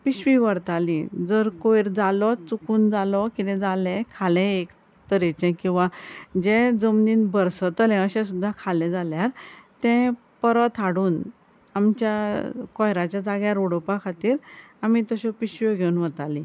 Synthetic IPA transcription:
piɕʋiʋəɾt̪alĩd͡zəɾkoiɾd͡zalɔt͡sukuːnd͡zalɔkit̪ɛ̃d͡zalɛ̃kʰalɛ̃ek | t̪əɾɛt͡ɕɛ̃kĩw̃ʋad͡ʑẽd͡zəmniːnbəɾsət̪əlɛ̃əɕɛ̃sud̪ʱːakʰalɛ̃d͡zaljaɾt̪ɛ̃ | pəɾət̪ʰaɽuːn | amt͡ɕjakɔjɾat͡ɕjad͡zaɡjaɾoɽɔpakʰat̪iːɾ | amit̪əɕɔpiɕʋɔɡʱeunʋət̪alĩ

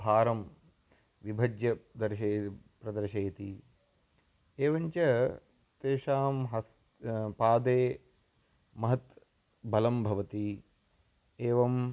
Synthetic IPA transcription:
bʱaːɾɐm | ʋibʱɐd͡ʒjɐd̪ɐɾʃeːpɾɐd̪ɐɾʃeːt̪i | eːʋɐɲt͡ʃɐ | t̪eːʂaːmɦɐs | paːd̪eː | mɐɦɐt̪ | bʱɐlɐmbʱɐʋɐt̪i | eːʋɐm

